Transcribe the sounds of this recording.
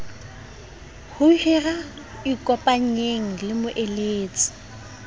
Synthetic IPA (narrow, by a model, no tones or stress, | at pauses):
hʊhira | ɪkʼɔpʼaɲ̩ɲeŋ̩lɪmʊʔeleːt͡sʼɪ̥